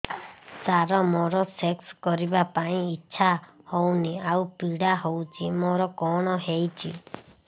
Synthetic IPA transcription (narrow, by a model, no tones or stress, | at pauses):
saɾɔmɔ̃ɾɔsekskɔɾibapaĩit͡ʃʰahounĩaupiɽaɦout͡ʃimɔ̃ɾɔkɔɽ̃ɔ̃ɦeit͡ʃḭ